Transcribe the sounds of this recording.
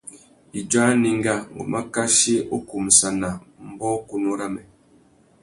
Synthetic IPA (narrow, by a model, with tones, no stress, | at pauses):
i˨d͡ʒa˦ni˨ŋ˦ɡa˦˨ŋɡo̰˨ma˦ka˦ʃi˦o˦ku˨msa˨na˨m̩˦bɔ˦ku˦nu˦ɾa˦mɛ˨